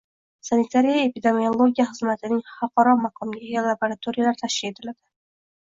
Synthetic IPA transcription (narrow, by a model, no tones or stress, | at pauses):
sanit̪ʰaɾijaepid̪emiolˠo̞ɡʲijaχɨzmat̪ʰɪnɪŋχɑwqʰɒɾɒmɑqʰɒmɡɡʲalˠaboɾat̪ʰoɾijalaɾt̪ʰaʃkʲile̞t̪ʰɪlad̪̥ɪ